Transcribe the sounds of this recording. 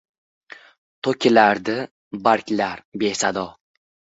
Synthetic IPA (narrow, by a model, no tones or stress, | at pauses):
t̪ʰokʲʰɪlaɾd̪ɪ | baɾkʲlaɾbesad̪ɒ